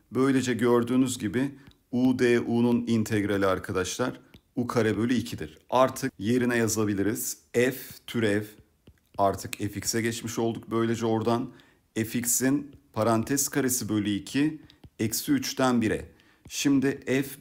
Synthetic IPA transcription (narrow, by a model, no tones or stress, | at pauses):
bø̞jlʲe̞d͡ʒɛɟø̞ɾd̪yːnyzɟibɪ | ud̪eːʔununint̪ʰɛɡɾalʲiaɾkʰad̪aʃlˠaɾukʰaɾɛbø̞lʲyicʰid̪iɾ̥aɾt̪ʰɯk̚je̞ɾinɛjazabilʲiɾiz̥ɛft̪ʰyɾɛv | aɾt̪ʰɯkeficsɛɟɛt͡ʃmiʃo̞lˠd̪uk̚bø̞jlʲe̞d͡ʒɛo̞ɾd̪an | eficsinpʰaɾant̪ʰɛskʰaɾesibø̞lʲyicʰiɛcsyyt͡ʃt̪ʰænbiɾɛ̰ | ʃimd̪ɪʔɛf